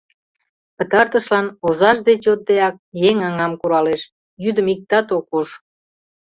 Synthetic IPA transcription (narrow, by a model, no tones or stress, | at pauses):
pət̪ɑrt̪əʃlɑnozɑʃd̪et͡ɕot̪̚d̪eɑk̚jeŋɑŋɑmkuɾɑleʃ | jyd̪əmik̚t̪ɑt̪okuʃ